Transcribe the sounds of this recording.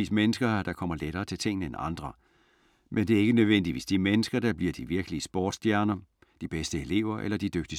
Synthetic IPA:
ḭːsmenəsɡ̥ɐd̥ɑ̈kʰɒ̽m̰ɐleɾɐːt͡sʰe̝lt͡sʰe̝ŋ̰nəenɑ̈nd̥ʁɐ | mʔend̥e̝æɐe̝ɡ̥ənøðˠʋen̰d̥id̥ʋe̝sd̥iɐmenəsɡ̥ɐd̥ɑ̈b̥liɐd̥iʋiɐɡ̥əliəsb̥ɔ̰ːd̥sd̥jæɐnɐ | d̥ib̥esd̥əe̝le̝ʊ̰ɐʔḛlɐd̥id̥øɡ̥̚d̥i

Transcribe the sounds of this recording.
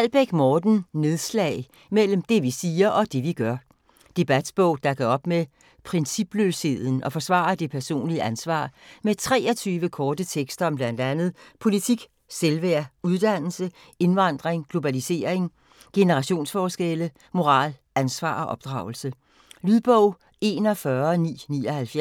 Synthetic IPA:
æl̰b̥eɡ̥mɒːd̥n̩ne̝ðˠslɛ̰ːɪ | mel̰m̩d̥e̝ʋisiːɐʔɒ̽d̥e̝ʋiɡ̥ɶɐ | d̥e̝b̥æd̥b̥ɔʊ̰d̥ɑ̈kɒɒ̽b̥me | pʰʁɛnsib̥løːshe̝ð̞̰ˠn̩ʔɒ̽fɒ̽sʋɑ̰̈ːɐd̥e̝pʰæɐso̝̰ːnliəʔænsʋɑ̰̈ːmet͡sʰʁɛ̰ːɒt͡sʰyːʋəkʰɒːd̥ət͡sʰeɡ̥sd̥ɐɒ̽mb̥læn̰d̥ænð̞̩ˠpʰo̝lit͡sʰiɡ̥ | selʋæɐ̰uð̞ˠd̥æn̰l̩sə | e̝nʋɑ̈nd̥ʁeŋɡ̥lo̝b̥ælise̝̰ːɐ̰eŋ | ɡ̥e̝nəʁɑ̈ɕo̝̰ːnsfɒːsɡ̥elə | mo̝ʁɑ̰̈ːlʔænsʋɑ̰̈ːɒ̽ʔɒ̽b̥d̥ʁɑ̈ʊl̩sə | lyðˠb̥ɔʊ̰ | e̝̰ːnɒ̽fɶɐnḭːnḭːɒ̽hælfjæ

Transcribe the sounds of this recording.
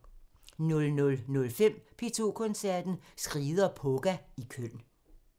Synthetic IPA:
nɔlnɔ̽lnɔ̽lfem̰pʰet͡sʰo̝̰kʰɔ̽nsæɐd̥n̩sɡ̥ʁiːðˠɐpʰɔ̽ɡ̥æikʰøn̰

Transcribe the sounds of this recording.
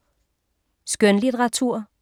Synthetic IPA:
sɡ̥œnlit͡sʰʁɑ̈t͡sʰuɐ̰

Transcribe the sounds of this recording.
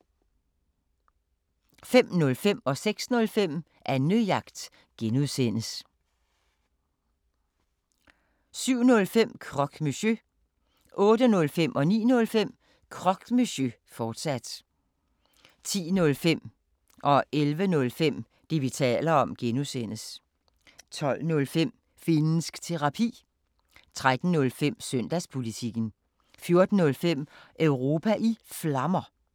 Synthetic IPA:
fem̰nɔ̽lfem̰ɒ̽seɡ̥snɔ̽lfem̰ | ʔæɐnyjɑ̈ɡ̥d̥ | ɡ̥enuðˠsen̰əs | syʊ̰nɔ̽lfem̰kʰʁɒ̽ɡ̥miɕø | ʔɔ̽ːd̥ənɔ̽lfem̰ʔɒ̽nḭːnɔ̽lfem̰ | kʰʁɒ̽ɡ̥misø | fɒːd̥sæd̥ | t͡sʰḭːnɔ̽lfem̰ | ʔɒ̽ʔelʋənɔ̽lfem̰ | d̥e̝ʋit͡sʰɛ̰ːlɐɒ̽mɡ̥enusen̰əs | t͡sʰɒ̽l̰nɔ̽lfem̰ | fenəsɡ̥t͡sʰe̝ʁɑ̈pʰḭː | t͡sʰʁad̥n̩ːɔ̽lfem̰sœn̰d̥æspʰo̝lit͡sʰiɡ̥n̩ | fjo̝ɐd̥n̩ːɔ̽lfem̰ʔœʊʁo̝ːpʰæʔiflɑ̈mɐ

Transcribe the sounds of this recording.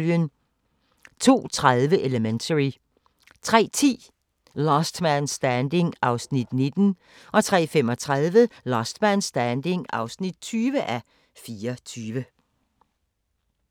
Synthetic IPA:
ljən | t͡sʰo̝̰ːt͡sʰʁaðˠʋəʔe̝ləment͡sʰəʁi | t͡sʰʁɛ̰ːt͡sʰḭː | lɒsd̥mænsd̥ænd̥e̝ŋɑ̈ʊsnid̥ne̝d̥n̩ | ʔɒ̽t͡sʰʁɛ̰ːfemɒ̽t͡sʰʁaðˠʋəlɒsd̥mænsd̥ænd̥e̝ŋɑ̈ʊsnid̥̚t͡sʰyːʋəʔæ | fiːɐt͡sʰyːʋə

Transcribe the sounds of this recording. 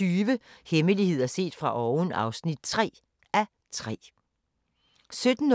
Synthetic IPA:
yːʋəheməlihe̝ð̞̰ˠɐse̝̰ːd̥fʁɑ̈ʔɒʊnɑ̈ʊsnid̥̚t͡sʰʁɛ̰ː | æ | t͡sʰʁɛ̰ː | sød̥n̩

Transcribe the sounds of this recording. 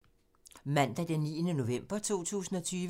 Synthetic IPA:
mæn̰d̥æd̥enːḭːənəno̝ʋem̰b̥ɐt͡sʰo̝̰ːt͡sʰṵːsn̩ɒ̽t͡sʰyːʋ

